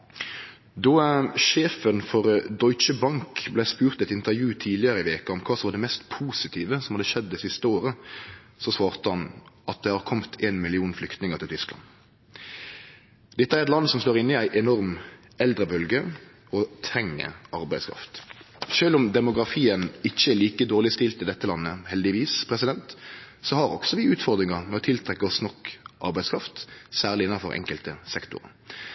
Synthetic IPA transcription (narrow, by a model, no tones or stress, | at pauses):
d̪ɔʃeːfənfɔʁd̪ɔʏt͡ʃəbɑŋkblæɪspʉːʁt̪ɛt̪ɪnt̪əʁjʉːt̪ʰiːdlɪəɾəɪʋeːkəɔmkʰɑːsɔmʋɑːd̪ɛmɛst̪pʰuːsɪt̪ʰiːʋəsɔmhɑd̪əʃɛd̪ːɛsɪst̪əoːɾə | sɔsʋɑːɾt̪əhɑnʔɑt̪̚d̪ɛhɑːʁkʰɔmt̪ʰeːnmɪlɪuːnflʏkt̪nɪŋəʁt̪ʰɪlt̪ʰʏsklɑ̰n | d̪̥ɛt̪ːəæɾɛt̪lɑnːsɔmsloːʁɪnːɪæɪʔɛnɔʁm | ɛld̪ɾəbœlɡə | ɔt̪ʰʁɛŋːə̰ɑɾbæɪd̪skʰɾɑ̰ft̪ʃøːlʊmd̪ɛmʊɡʁɑfiːənɪçːəɛːliːkəd̪oːʁlɪst̪ɪlt̪ɪld̪ɛt̪ːəlɑnːəhɛld̪ɪʋiːspʰʁɛsɪd̪ɛnt̪ | sɔhɑʁɔɡ̥sɔʋɪʉːt̪fɔʁd̪ɾɪŋɑmɛɔt̪ʰɪlt̪ʰʁɛkːəɔsnɔkːʔɑ̰ɾbæɪdskʰɾɑft̪sæːʁlɪɪnːɑnfɔɾʔɛ̰ŋkəlt̪əsɛkt̪ʊ̰ɾə̰